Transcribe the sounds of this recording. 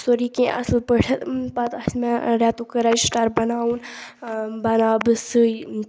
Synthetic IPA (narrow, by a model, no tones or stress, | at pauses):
soɾikẽʔɐ̰slpəʈʰɐt̪pɐt̪ɐsmãɾaːt̪ukəɾaːjsʈaɾbɐnaːwun | bɐnaːbɨsɨ